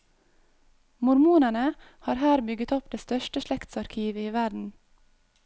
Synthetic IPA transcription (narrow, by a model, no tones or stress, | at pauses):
mʊɾmuːnənə | hɑːɾhæːɾbʏɡət̪ɔpd̪eːst̪œʃʈəʃɭɛkt̪sɑɾkʰiːʋəiːʋæɖn̩